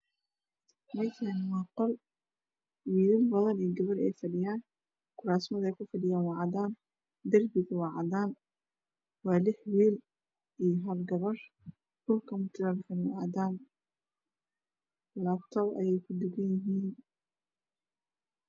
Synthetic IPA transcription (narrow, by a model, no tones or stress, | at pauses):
mɐjkʰanwɑːqɔl | wiːlɪlbɐðɐniːɡɐβɐɾɛ̰jfɐɖɪjaːn | kʰʊɾaːsmɐðɛjkʰʊfɐɖɪjaːnwɑʕɑðaːn | d̪ɐrbɪɣɐwɑʕɑðaːn | wɑːlɪħwiːl | ijɞɦɐlɡɐβɐr | d̥ʊlkʰɐmʊt̪ʰɪlalkʰɐnʊʔaːd̪aːn | laːbt̪ʰɔβɐ̰jɛjkʰʊd̪ɪɡɐnjɪɦiːn